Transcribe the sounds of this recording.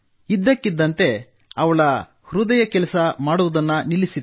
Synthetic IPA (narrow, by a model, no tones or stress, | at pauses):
id̪ːɐkːid̪ːɐnt̪e̞ | ɐʋɐɭɐ | hɾud̪ɐjɐkɛlɐsɐmaːɽuʋud̪ɐnːɐnilisi